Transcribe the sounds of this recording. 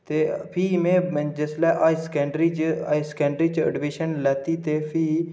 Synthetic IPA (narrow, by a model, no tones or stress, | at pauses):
t̪epʰiːmẽːd͡ʒəslaːʔaːiskeːɳɖɾid͡ʒiskɛ̃ːɳɖɾid͡ʒə̰ɖmiʃənlɛːt̪it̪epʰiː